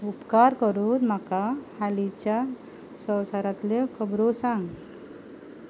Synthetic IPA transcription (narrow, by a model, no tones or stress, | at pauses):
upkaɾkɔɾud̪m̤akahalit͡ɕja | sə̃wsaɾat̪lekʰəbɾosaŋɡ